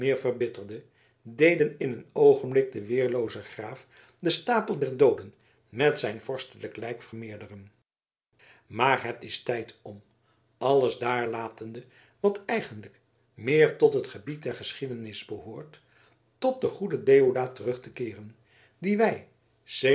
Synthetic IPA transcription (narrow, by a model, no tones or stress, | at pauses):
mɪːɹvərbɪtəɹdə | dejdənɪnənowχənblɪk̚dəʋɪːɹlowzəχraːf | dəstaːpəlˠdɛɹdowdən | mɛtsɛjnv̥ɔɹstələklɛjkfərmɪːɹdərən | maːɹɦətɪstɛjtʰɔm | ɑləzdaːɹlaːtəndə | ʋɑtɛjχəndlək | mɪːɹtɔtɦətχəbit̚dɛɹχəsχidənɪzbəɦʊːɹtː | ɔt̚dəχudədejodaːtərɵχtəkɪːrən | diʋɛj | se